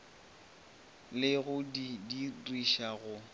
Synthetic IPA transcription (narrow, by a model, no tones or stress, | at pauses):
lɪɣʊdidiriʃaɣʊ